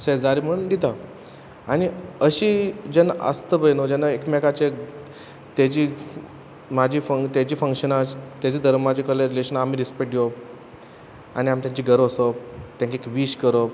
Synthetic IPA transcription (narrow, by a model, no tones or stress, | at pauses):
səd͡zaɾim̤əɽund̪it̪a | añiəɕid͡ʑɛnaʔə̰st̪əbəjnod͡ʑɛnːaekmɛkat͡ɕe | t̪ad͡ʑiː | mad͡ʑiːfət̪jad͡ʑiːfəŋkɕənat͡st̪jad͡ʑiːd̪ʱəɾmad͡ʑikəleɾileɕənamiːɾispeʈjop̚ | a̰ñiamt̪jãt͡ɕiːɡʱəɾosɔpt̪jãŋkeekʋiɕkəɾop